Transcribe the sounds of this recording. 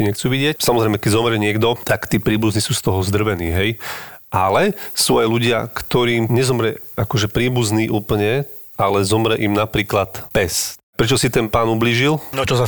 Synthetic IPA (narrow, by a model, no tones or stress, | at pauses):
iɲɛxt͡suːʋiɟɪecsamɔzɾɛjmɛkɛɟzɔmɾɛɲɪɛɡd̪ɔt̪akt̪iːpɾiːbuzniːsuːst̪ɔɦɔzd̪r̩ʋɛniːɦɛjʔalɛsuːajluɟɪakt̪ɔɾiːmɲɛzɔmɾɛ | akɔʒɛpɾiːbuzniːʔuːpl̩ɲɛ | alɛzɔmɾɛʔimnapɾiːklat̪pɛspɾɛt͡ʃɔsit̪ɛnpaːnubliːʒilɔt͡ʃɔsa